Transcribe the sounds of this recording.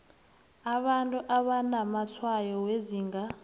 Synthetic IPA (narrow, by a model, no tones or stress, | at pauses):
aβantʼuʔaβanamat͡sʰwajɔweziːŋɡa